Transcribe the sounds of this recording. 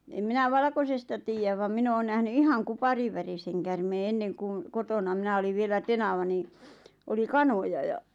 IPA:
em minæ ʋɑlɑ̆kosestɑ tiːjæʋ ʋɑm min oːn næhny ihɑŋ kupɑriwæriseŋ kærmeː enːeŋ kuŋ kotonɑ minæ oliʋ ʋielæ tenɑʋɑ niˑ oli kɑnojɑ jɑ

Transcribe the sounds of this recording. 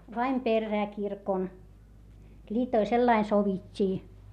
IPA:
ʋɑim perːæː kirkon lʲiːtoil selːɑin soʋitʲːiː

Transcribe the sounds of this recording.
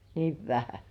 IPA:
niːʋ ʋæhæ

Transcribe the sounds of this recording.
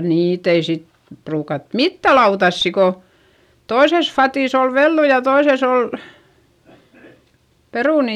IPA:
niːt ei sit pruːkɑt mitːæ lɑutɑsːi ko toises fɑtiˑs ol ʋelːu jɑ toises ol peruˑni

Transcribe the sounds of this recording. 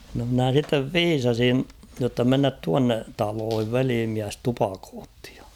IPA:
no mnæˑ sitːeʋ ʋiːsɑsin jotːɑ menːæt tuɑnːe tɑloːhiʋ ʋeliːmiæs tupɑkoːtːi̥ j̊ɑ̥

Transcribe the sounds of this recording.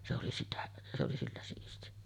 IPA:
se oli sitæ se oli silːæ siːsti

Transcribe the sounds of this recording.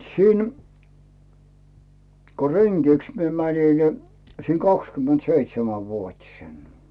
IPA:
siːn ko reŋɡ̊iks mie mænʲi ni siːn kɑkskymˑentseitsemæʋuotʲisen

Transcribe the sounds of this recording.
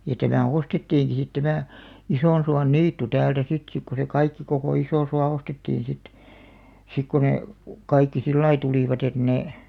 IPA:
jɑ tæmæ ostetːiːŋki sit tæmæˑ isoˑnsuɑnːiːtːu tæːltæ sit sik ku se kɑikːi kokoˑ isoˑsuɑ ostetːiːĩ sit sik ku ne kɑikːi silːɑi tuliˑʋɑt et neˑ

